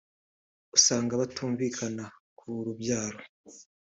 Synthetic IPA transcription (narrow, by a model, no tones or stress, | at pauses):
usaːŋɡaβatuːɱvikʰanakʰuɾubɟaːɾo